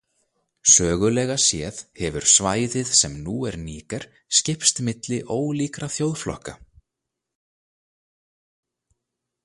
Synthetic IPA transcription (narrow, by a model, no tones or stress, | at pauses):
sœːɣʏlɛɣasjɛːðhɛvʏɾ̥svaːjðɪðsɛmnuɛɾniːkɛɾ̥ | scɪhpst̪mɪt̪lɪʔoːwliːkɾaθjowðflɔ̰hka